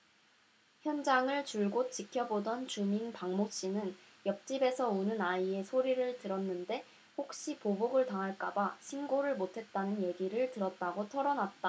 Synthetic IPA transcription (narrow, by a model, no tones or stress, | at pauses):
çjʌnd͡ʑaŋɯɭt͡ɕuɭɡot͡ɕ͈ikʰjʌbodʌnt͡ɕuminpaŋmoɕ͈inɯn | jʌk̚t͡ɕ͈ibe̞sʰʌonɯnaie̞sʰoɾiɾɯɭtɯɾʌnːɯnde̞ | hok̚ɕ͈ipoboɡɯɭtaŋɦaɭk͈abaɕʰiŋɡoɾɯɭmotʰe̞t̚t͈anɯnje̞ɡiɾɯɭtɯɾʌt̚t͈aɡotʰʌɾʌnat̚t͈a